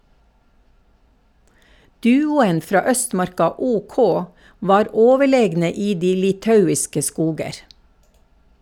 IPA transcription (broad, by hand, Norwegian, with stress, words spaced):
ˈdʉːʊən ˈfɾɑː ˈœstˌmɑɾkɑ ˈuːˌkɔ ˈʋɑːɾ ˈoːʋəˌɭeːɡnə ˈiː ˈdiː lɪˈtɑʉɪskə ˈskuːɡəɾ